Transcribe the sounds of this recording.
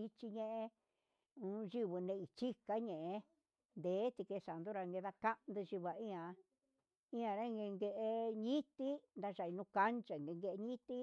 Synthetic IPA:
i˧t͡ʃi˧ɲẽ˦˧ʔe˧ | ũ˧˦ʒi˧βɨ˧nẽ˧i˨t͡ʃi˦ka˦ɲẽ˨ʔe˧ | nd̪eː˨˦t̪i˧ke˧sa˨nd̪u˦ɾa˧ŋɡe˧ða˧ka˦ʔnd̪ɨ˧ʒi˧βa˨ĩ˦ã˧ | ĩ˦ã˧ɾa˦˧ɡe˧ŋɡe˧ʔe˧ɲĩ˦t̪i˦nd̪a˧ʒa˧i˧nũ˧ka˦nt͡ʃa˧˨ŋɡe˧ŋɡe˧ʔe˧ɲĩ˦t̪i˦

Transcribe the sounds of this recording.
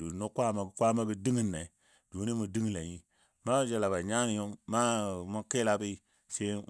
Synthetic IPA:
u˨no˦kʷa˦˨ma˨kʷa˦ma˦ɡi˦di˦ŋi˦nːa˨i˨ | du˨˦ni˦mu˨di˦ŋ˦la˨ji˦ | ma˦d͡ʒa˦la˨ba˨ɲa˦n˨jo˦ŋma˦ma˦ke˦la˨bi˦i˦ | se˦

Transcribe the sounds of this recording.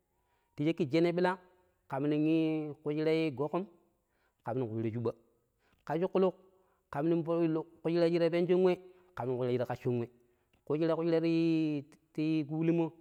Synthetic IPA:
ti˨d͡ʒe˦kːi˨d͡ʒe˦ne˦ɓi˦la˦ | ka˨m˦ni˨ji˦ku˦d͡ʒi˦ɾa˦ji˦ɡo˦ku˦m | ka˨m˦ni˨ku˨d͡ʒi˦ɾa˨d͡ʒu˦ɓa˨ | ka˨ʃu˦ku˦lu˦k | ka˨m˦ni˦˨ku˦d͡ʒi˦ɾa˦d͡ʒi˦ɾa˦be˦n˦d͡ʒo˦ŋwe˦ | ka˨m˦ni˨ku˦a˦i˦ɾa˨ka˨ʃo˦ŋwe˨ | ku˦t͡ʃi˦ɾa˦ku˦i˦ɾa˦ɾi˦ | ti˦ɡu˦li˦mo˦

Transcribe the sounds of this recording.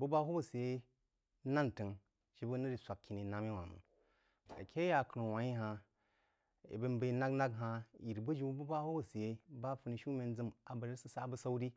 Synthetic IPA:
bu˦ba˦ɦu˦bu˨si˨je˦ | na˦ntə˨n | ʃi˦bu˦nə˦ɾi˨sʷa˨kki˨ni˨na˨mi˦wa˨nṵ˨ | a̰˨kʰʲe˦ja˨kɾu˨wa˨˦i˦ɦa˧ | ḭ˨bə˦n˦bə˦na˦ɡna˦ɡɦa˧˨ji˨ɾbu˦d͡ʒi˦u˦bu˦ba˦hu˦bu˨si˨je˨˦ba˦fu˦ni˨ʃu˦me˦n˦d͡zɨ˦ma˨bə˨ɾi˦si˦sa˦bə˦sa˦wɾi˦

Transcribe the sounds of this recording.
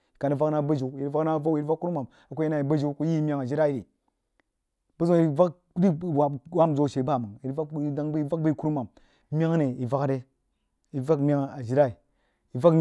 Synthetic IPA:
i˨ka˨ni˨˦va˦kna˦ba˦d͡ʒe˨u˦ji˨ɾva˦kna˦va˦i˨ɾva˦kːu˦ɾu˦ma˨m | a˨kʷi˦na˨i˨ba˦d͡ʒi˨˦ku˦ji˦mʲ˦a˦ŋa˨d͡ʒi˦ɾa˦i˨ɾi˨ | bə˦zo˦i˨˦va˦k | di˦˨wa˨wa˦m˨zo˨˦˨ʃe˨˦ba˦˨mɨ˨ŋji˨ɾva˦ka˦ŋbi˦a˦k̚bə˦i˦ku˦ɾu˦ma˨m | mʲ˦a˦ŋ˦ne˨i˨va˦kde˦ | i˨va˦kmʲ˦a˦ŋa˨ʒi˦ɾa˦i˨ | i˨va˦k

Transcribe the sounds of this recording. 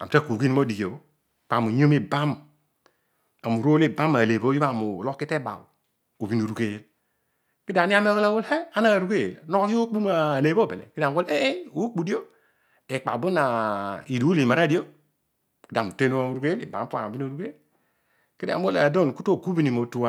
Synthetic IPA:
a̰˨m˨ta˦ku˨ɡi˦ni˦mo˦di˨ɡo˨bo˦ | k͡pa˨mu˨ɲo˦mi˦ba˦m˨ | a˨mu˨ɾo˦li˦ba˦ma˨le˨bo˦i˦βa˨mu˨lo˦kːi˦te˦ba̰˨w̰ | o˨bi˦no˨ɾu˨ke˦je˦l | ki˦da˨n˦a˦m˦e˦wo˦la˦wu˦lhe˦a˦na˦˨ɾu˦ke˦jlno˦jo˦k͡pu˦maː˨le˨bo˦be˨lḛ˨ki˦da˨˦wu˦le˦u˦k͡pu˨di˦o˦ | e˨k͡pa˨bu˦na˨i˨du˨˦li˨ma˨ɾa˦di˦o˦ | ki˦da˨mu˨te˦no˦a˦˨u˨ɾu˦ke˦le˨ba̰˨˦m˦pu˦a̰˨bi˦no˦˨˦ɾu˦ke˦ | ki˦da̰˨m˦o˦la̰˨do˦n˨ku˦to˦˨ɡu˦bi˦ni˨mo˨˦tu˦a˦

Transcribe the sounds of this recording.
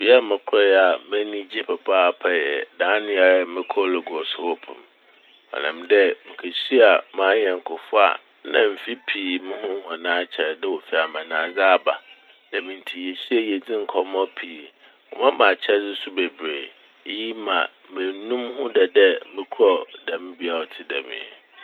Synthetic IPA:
bi˦a˦˨mɪ̃˨kʰɔ˦a˨mæ̃˦nĩ˦d͡ʑi˦pʰɛ˨baː˦˨pʰɛ˦˨ɛ̰˨dãː˨˦nɪ̃˦a˨ɛ˨mɪ̃˦kʰɔ˦le˨ɡu˨ɔ˨sʊ˨wo˦pʰʊ̰̃˨m | ɔ̰˨nã̰˨m˨dɛ˦m̩˨kʰe˨si˦a˨mã˨˦ɲɛ̃˨ŋ̩˨kʰʊ˨fʊ˦a̰˨ | nã̰˨m̩˨fi˦pʰiː˨mʊ̃˦ɦʊ̃˦hɔ˨nãː˦t͡ɕʰɛ˨ɾdɪ˦wɔ˨fi˨a˨mã˨nã˨d͡za˦ba˨ | dɛ˨mɪ̃˨n̩˨tʰi˨jɛ˨si˦ɛ˦jɛ˨d͡zi˦ŋ̩˨kʰɔ˨mɔ̃˦pʰiː˨ | ɔ˨mã˦mã˨t͡ɕʰɛ˦sɪ˦sʊ˦be˨bɾeː˨˦ | ji˦mã̰˨ | mẽ˨nũ˦mhʊ̃˦dɛ˨dɛ˦mɪ̃˦kʰɾɔ˦dɛ˨mɪ̃˦bi˦a˨ɔ˨tʰɪ˦dɛ̰˨mḭ̃˨

